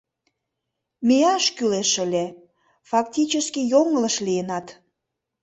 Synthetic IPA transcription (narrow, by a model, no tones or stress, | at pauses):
meɑʃkyleʃə̆lʲe | fɑkt̪ʲit͡ɕəskijoŋələʃlijənɑt̪